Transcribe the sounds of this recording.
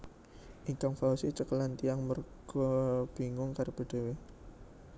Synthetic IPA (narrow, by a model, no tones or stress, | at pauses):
ʔiŋkaŋfausit͡ʃəkəlant̪ijaŋmɔrɡ̥ɔb̥i̤ŋʊŋkaɾb̥ə̤ɖ̪̥e̤we